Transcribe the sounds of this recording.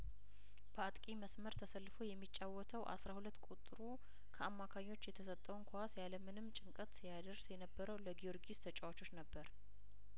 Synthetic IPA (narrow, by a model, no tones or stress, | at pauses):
b̥əat̪ʼkʼiməsməɾt̪ʰəsəlːɨfo̞jɛmːit͡ʃʼːawːɔt̪ʰəwʔa̰sɾahulət̪ːkʼut̪ʼɾu | kʰəamːakʰaɲːo̞t͡ʃːjɛt̪ʰəsət̪ʼːəwunkʰoasjaləmɨnɨmːt͡ʃʼɨŋkʼət̪jad̪əɾsjɛnəbːəɾəwləɡijo̞ɾɡist̪ʰət͡ʃʼawat͡ʃʰot͡ʃːnəbːəɾ